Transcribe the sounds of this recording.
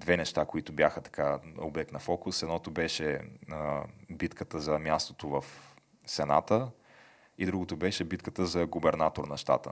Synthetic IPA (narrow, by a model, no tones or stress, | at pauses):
d̪vɛnɛʃt̪akoit̪ʊbjaxət̪ɐ̥kao̰blɛk̚t̪nɐfɔkʊsɛd̪nɔt̪ʊbɛʃɛ | bit̪kət̪əzɐmjast̪ot̪ovɐf | sɛna̰t̪ə | id̪ɾuɡot̪ʊbɛʃɛbit̪kət̪əzɐɡʊbɛɾnat̪oɾnɐʃt̪a̰t̪ə̰